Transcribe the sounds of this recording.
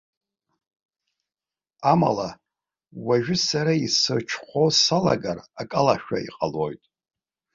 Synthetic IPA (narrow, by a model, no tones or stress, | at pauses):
ama̰la | waʒᶣɪsaɾaisɨrt͡ʃʰχʷosala̰ɡarakʼalaʃᶣaḭqʼalojtʼ